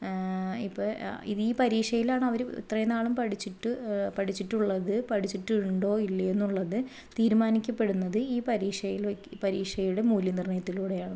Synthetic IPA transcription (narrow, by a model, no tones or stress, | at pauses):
ipːoḭðiːpɐɾiːʂɐjilaːɳɨɐʋɐɾuḭt̪rɐjɐnaːɭumpɐʈit͡ɕːiʈːɨpɐʈit͡ɕːiʈːuɭːɐðɨpɐʈʰit͡ɕːiʈːɨuɳɖo̞ːilːɐe̞nːuɭːɐðɨ | t̪iːɾumaːnikʲːɐpːe̞ɽunːɐðɨiːpɐɾiːʂɐjilpɐɾiːʂɐjuɽe̞muːljinirɳɐjɐt̪ːiluːɽe̞jaːɳu